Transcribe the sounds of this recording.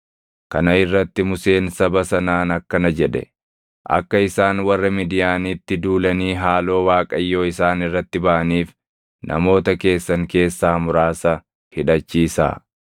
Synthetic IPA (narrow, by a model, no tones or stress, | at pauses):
kɐnɐɪrːɐt̪ːɪmʊse̞ːnsɐbɐsɐnaːnɐkːɐnɐd͡ʒɛᶑɛ̰ | ʔɐ̰kːɐɪsaːnwɐrːɐmiːd̪ɪjaːnit̪ːɪd̪uːlɐniːɦaːlo̞ːwaːkʼɐjːo̞ːɪsaːnɪrːɐt̪ːɪbɐʔɐniːf | nʔɐ̰mo̞ːt̪ɐke̞ːsːɐŋke̞ːsːaːmʊɾaːsɐ | hɪᶑɐt͡ʃːiːsa̰ː